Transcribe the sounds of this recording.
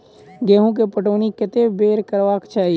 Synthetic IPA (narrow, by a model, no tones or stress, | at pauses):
ɡeːɦõk̬epəʈoːnikɪt̪ebeːɾkəɾʋaːkt͡ʃaːɦi